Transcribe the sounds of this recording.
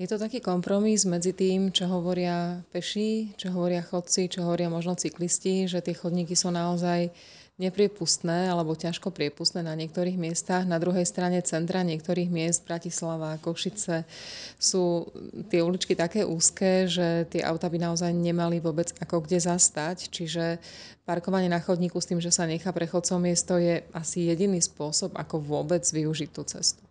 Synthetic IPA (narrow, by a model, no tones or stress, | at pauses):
jɛt̪ut̪akiːkɔmpɾɔmizmɛd͡zit̪iːmt͡ʃɔɦɔʋɔɾɪapɛʃit͡ʃɔɦɔʋɔɾɪaxɔt̪̚t͡sit͡ʃɔɦɔʋɔɾɪamɔʒnɔt͡siklisciʒɛt̪ɪɛxɔd̪ɲiːkisuːnaɔzaj | ɲɛpɾɪɛpust̪nɛːalɛbɔcaʃkɔpɾɪɛpust̪nɛːnaɲɪɛk̚t̪ɔɾiːɣmɪɛst̪aɣnad̪ɾuɦɛjst̪ɾaɲɛt͡sɛnt̪ɾaɲɪɛkt̪ɔɾiːɣmɪɛzd̪̚bɾacislaʋakɔʃit͡sɛsuːt̪ɪɛulit͡ʃkit̪akɛːʔuːskɛːʒɛt̪ɪɛʔa̰ʊt̪abinaɔzajɲɛmaliʋʊɔbɛd͡zakɔɡɟɛzast̪act͡ʃiʒɛ | paɾkɔʋaɲɪɛnaxɔd̪ɲiːkust̪iːmʒɛsaɲɛxaːpɾɛxɔt͡sɔwmɪɛst̪ɔjɛasijɛɟiniːspʊɔsɔba̰kɔʋʊɔbɛd͡zʋiuʒic̚t̪ːuːt͡sɛ̰st̪u̥